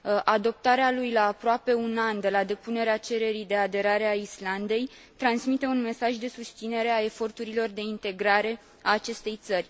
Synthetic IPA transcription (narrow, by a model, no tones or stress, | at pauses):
ʔad̪o̞p̚t̪aɾealujlaːpɾoape̞unand̪e̞lad̪e̞pune̞ɾeat͡ʃe̞ɾe̞ɾijd̪e̞ad̪e̞ɾaɾe̞aisland̪e̞j | t̪ɾansmit̪e̞unme̞saʒd̪e̞sust̪sine̞ɾe̞ae̞fo̞rt̪uɾilo̞rd̪e̞int̪e̞ɡɾaɾe̞ | aːt͡ʃe̞st̪e̞jt̪sərʲ